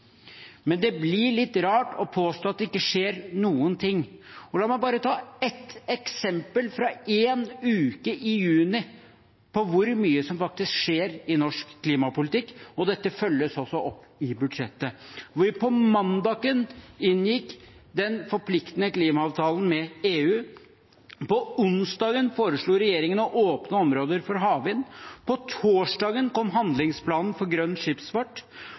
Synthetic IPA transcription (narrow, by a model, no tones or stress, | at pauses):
mɛnd̪ɛblɪɭɪt̪ːɾɑːʈɔpʰoːst̪oːt̪d̪ɛɪkːəʂeːɾnuːənt̪ʰɪŋːɔlɑːmæɪbɑːɾət̪ʰɑːɛt̪ɛksɛmpəlfɾɑeːnʉːkəʔɪjʉːnɪ | pʰɔʋʊɾmyːəsɔmfɑk̚t̪ɪskʂeːɾɪnɔʂkʰːliːmɑpʊlɪt̪ɪkːɔd̪ɛt̪ːəfœlːəsɔsɔʔɔpːɪbʉd̪ʂɛt̪ːəʋpʰɔmɑnd̪ɑːɡənɪnːjɪkːd̪ɛnfɔɾpʰlɪkt̪nəkliːmɑɑːʋt̪ʰɑːlən̩mɛeːʉː | pɔʊnsd̪ɑːɡənfoːɾəʂɭuːɾɛjeːɾɪŋənɔʔoːpnəɔmɾoːd̪əɾfɔɾɦɑːʋɪnpɔt̪ʰoːʂɖɑːɡənkɔmɦɑnd̪lɪŋspʰlɑːnn̩fɔɾɡɾœnːʂɪpsfɑʈː